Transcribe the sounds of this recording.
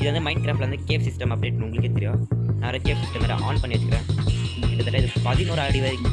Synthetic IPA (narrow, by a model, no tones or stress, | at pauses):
ɪðɐʋɐnd̪ɯmɐɪɳɖ̚kɾaːflɐʋɐnd̪ɐkeːfsɪsʈɐmɐpːɐɽeːʈːnʊŋɡɐɭɯkːet̪ɛɾɪjõːnãːɾɐkeːsɪsʈɐmɐɾɐ̰ʔaːnpɐɳːiʋɐt͡ʃːɯkːɪɾẽːɪʈːɐt̪ɐlːaɪðɯpɐðinoːɾaːlɐɽiʋeɾkː